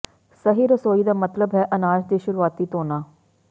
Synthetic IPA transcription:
səɦiːɾəsoːiːd̪aːmət̪ləbɦɛːʔənaːd͡ʒd̪eːʃʊɾuːaːt̪iːt̪oːnaː

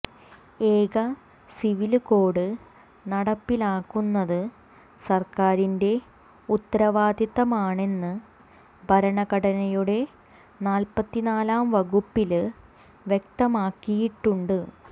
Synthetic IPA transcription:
e̞ːɡɐ | siʋilko̞ːɽɨ | nɐɽɐpːilaːkːunːɐðɨ | sɐrkaːɾinde̞ | ut̪ːɐɾɐʋaːd̪jɐðɐmaːɳe̞nːɨ | bʱɐɾɐɳɐkɐɽɐnɐjuɽe̞ | naːlpɐt̪ːinaːlaːmʋɐɣupːil | ʋje̞k̚t̪ɐmaːkːijiʈːuɳɖɨ

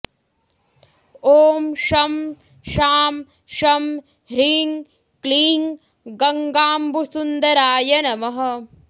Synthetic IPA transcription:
oːmʃɐm | ʃaːm | ʃɐm | ɾiːŋ | kliːŋ | ɡɐŋɡaːmbusund̪ɐɾaːjɐnɐmɐɦɐ̆

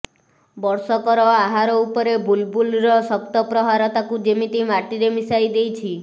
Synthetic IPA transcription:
bɔɾsɔkɔɾɔaɦaɾɔupɔɾebʱulbʱulɾɔsɔk̚t̪ɔpɾɔɦaɾɔt̪akud͡ʒemit̪imaʈiɾemisajd̪ejt͡ʃʰi

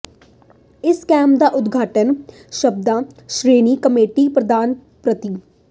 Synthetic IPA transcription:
ɪskɛ̃ːmp̚d̪aːʔʊd̪ɡʱaːʈən | ʃəb̚d̪ãːʃɾeːniːkəmeːʈiːpɾəd̪aːn | pɾət̪iː

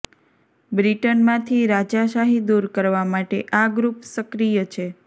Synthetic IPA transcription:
bɾiʈənmãt̪ʰiɾad͡ʒaʃaɦid̪uɾkəɾʋamaʈeʔaɡɾupsəkɾijət͡ʃʰe

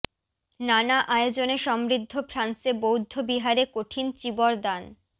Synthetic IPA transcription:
nanaʔaeod͡ʑoneʃɔmɾid̪ʱːofɾansebowd̪ʱːobiɦaɾekoʈʰint͡ɕibɔɾd̪an

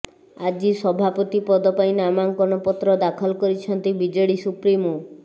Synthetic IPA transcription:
ad͡ʒisɔbʱapɔt̪ipɔd̪ɔpaĩnamaŋkɔnɔpɔt̪ɾɔd̪akʰɔlkɔɾit͡ʃʰɔnt̪ibid͡ʒɔɽisupɾimu

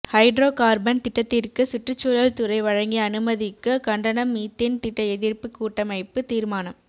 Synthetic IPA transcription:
hɐɪɖɾoːkaːɾbɐnt̪ɪʈːɐt̪ːɪrkɯsʊʈrɯt͡ʃːuɻɐlt̪ʊɾɐɪʋɐɻɐŋɡiɐnɯmɐðɪkːɐkɐɳɖɐnɐmːiːt̪ːɪnt̪ɪʈːɐɛðɪɾpɯkːuːʈːɐmɐɪpːɯt̪iːɾmaːnɐm

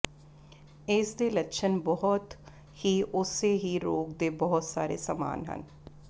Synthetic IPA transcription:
ɪːsd̪eːləkʃʰənbɔɦɔt̪ | hiːʔʊseːɦiːɾoːɡd̪eːbɔɦʊt̪saːɾḛːsaːma̰ːnɦə̰n

